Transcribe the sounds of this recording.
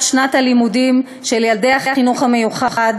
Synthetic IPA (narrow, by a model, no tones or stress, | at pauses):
ʃnathalimudim | ʃeljaldejaχiaχinuχamejuχaχad